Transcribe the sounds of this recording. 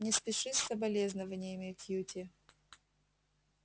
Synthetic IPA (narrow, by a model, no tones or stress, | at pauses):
nʲɪspʲɪʂɨsʲːəbɐlʲeznəvənʲɪjəmʲɪkjutʲɪ